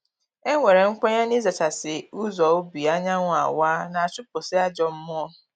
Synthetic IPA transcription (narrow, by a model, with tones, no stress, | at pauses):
e˦ŋʷe˨ɾe˨ŋ̩˦k͡pʷa˦ɲe˦ni˦za˨t͡ʃa˨sɪ˨u˦zɔ˨o˦bi˨a˦ɲa˦ŋʷʊ˨a̰˨waː˦na˨a˨t͡ʃʊ˦pʊ˨sɪ˦a˦d͡ʒɔ˨m̩˦mʊ˦ɔ˦